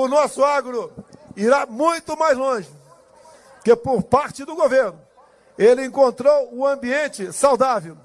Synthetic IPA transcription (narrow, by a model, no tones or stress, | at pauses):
ʊnɔsʊaɡɾʊiɾamũj̃t̪ʊmajzlõʒɪ | kepoɾpaɾt͡ʃɪd̪ʊɡoveɾnʊ | elɪẽŋkõnt̪ɾowʊɐ̃biẽnt͡ʃɪsawd̪avew